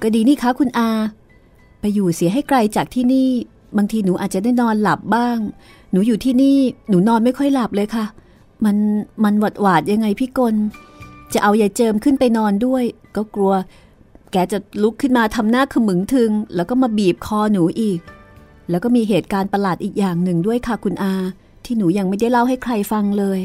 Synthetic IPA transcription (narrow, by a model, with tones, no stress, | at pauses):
ka˧diː˧niː˥˩kʰa˦˥kʰu˧nʔaː˧ | pa˧jːuː˨˩si˨˦ɦa˥˩jkla˧jt͡ɕaː˨˩k̚t̪ʰiː˥˩niː˥˩ | baː˧ŋt̪ʰiː˧nuː˩˦ʔaː˨˩t͡ɕa˨˩naː˥˩nɔː˧nla˨˩p̚baː˥˩ŋ | nuː˩˦juː˨˩t̪ʰiː˥˩niː˥˩nuː˩˦nɔː˧nma˥˩jkʰɔ˥˩jla˨˩p̚lɤː˧jkʰa˦˥˩ | ma˧nma˧nwa˨˩t̪̚waː˨˩t̪̚ja˧ŋːa˧jpʰiː˥˩ko˧nt͡ɕa˨˩ʔa˧wja˨˩t͡ɕɤː˧mkʰɯ˥˩npa˧jnɔː˧ndu˥˩əjkɔː˥˩klu˧ɐ | kɛː˧t͡ɕa˨˩lu˦˥kʰːɯ˥nmaː˧t̪ʰa˧mnaː˥˩kʰɯ˧mɯ˩˦ŋt̪ʰɯ˧ŋlɛ̰ː˦˥wkɔː˥˩maː˧biː˨˩p̚kʰɔː˧nuː˩˦ʔiː˨˩k̚ | lɛː˦˥wkɔː˥˩miː˧ɦeː˨˩t̪̚kaː˧npa˧laː˨˩t̪̚ʔiː˨˩k̚jaː˨˩ŋnɯ˨˩ŋdu˥˩əjkʰa˥˩kʰu˧nʔaː˧ | t̪ʰiː˥˩nuː˩˦ja˧ŋma˥˩jda˥˩jla˥˩wɦa˥˩jkʰɾa˧jfa˧ŋlɤː˧j